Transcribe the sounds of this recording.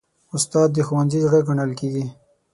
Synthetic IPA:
ʊst̪ɑːd̪ːəxuwanzid͡ʒɽeɡaɳəlkeɡi

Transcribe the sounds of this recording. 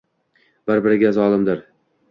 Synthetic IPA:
b̥ɪɾbɪɾɪɡʲazɒlˠɪmd̪ɪɾ

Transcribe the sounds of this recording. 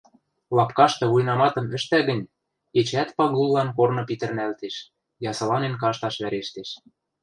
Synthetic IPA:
lɑpkɑʃt̪ɤ̆βujnɑmɑt̪ɤ̆mɘ̆ʃt̪æɣə̆nʲ | et͡ɕæt̪pɑɣulːɑnkornɤ̆pit̪ə̆rnælt̪eʃ | jɑsɤ̆lɑnenkɑʃt̪ɑʃβæɾeʃt̪eʃ

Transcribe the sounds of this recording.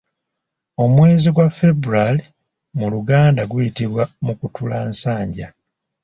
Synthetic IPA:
o̞mwe̞ːziɡwafe̞buɾali | muluɡaːndaɡujitiβwamukutulaːnsaːɲɟa

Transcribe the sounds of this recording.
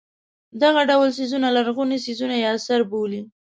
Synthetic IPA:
d̪aɣaɖawlsizunalaɾɣunisizunajeasaɾboli

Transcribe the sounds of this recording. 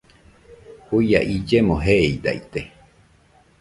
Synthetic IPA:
huja̰ʔid͡ʒemõɦeeid̪a̰it̪e

